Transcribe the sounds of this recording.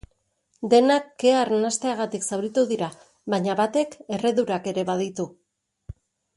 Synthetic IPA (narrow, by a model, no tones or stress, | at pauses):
d̪e̞nakːe̞aɾnast̪e̞aɣat̪iksawɾit̪uðiɾa | βaɲaβat̪e̞ke̞re̞ðuɾake̞ɾe̞βaðit̪u